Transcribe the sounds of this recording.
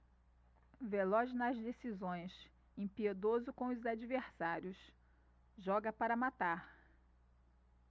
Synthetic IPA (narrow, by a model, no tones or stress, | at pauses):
velɔznɐzd̪esizõj̃s | ẽpied̪ozʊkõw̃ʊzad͡ʒiveɾsaɾjʊs | ʒɔɡɐpaɾɐmat̪aɾ